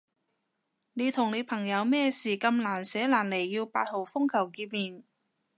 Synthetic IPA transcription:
ne˨˧jt̪ʰʊ˨˩ŋne˨˧˥jpʰɐ˨˩ŋjɐ˨˧wmɛː˥˧siː˨˩kɐ˧mlaː˨˩nsɛː˨˥laː˨˩nle˨˩jːiː˧wpaː˧t̚ho˨˩wfʊ˥ŋkʰɐ˨˩wkiː˧t̚miː˨n

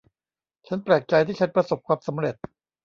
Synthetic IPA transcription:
t͡ɕʰa˦˥npɾɛː˨˩k̪̚t͡ɕa˧jt̪ʰiː˥˩t͡ɕʰa˦˥npɾa˧so˨˩p̚kʰwaː˧msa˩˦mɾe˨˩t̪̚

